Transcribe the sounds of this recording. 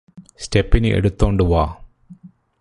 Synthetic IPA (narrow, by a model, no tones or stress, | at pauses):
stepːinɨʔḛɽut̪ːoːɳɖɨʋaː